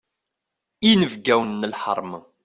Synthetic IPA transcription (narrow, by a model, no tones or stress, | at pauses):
inəvɡæwənːəlħə̰ɾˤmə